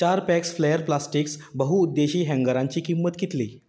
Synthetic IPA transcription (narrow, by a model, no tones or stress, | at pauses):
t͡ɕaɾpɛksfləjəɾplasʈiksbəɦuːd̪ːeɕiːɦɛ̃ŋɡəɾãɲt͡ɕiːkimːət̪kit̪liː